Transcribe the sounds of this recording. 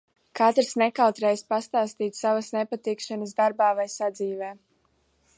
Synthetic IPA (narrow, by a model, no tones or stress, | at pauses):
kat̪ɾsnɛkalt̪ɾɛjspast̪aːst̪iːt̪savasnɛpat̪ikʃanəsd̪aɾbaːvajsad̪ziːvɛː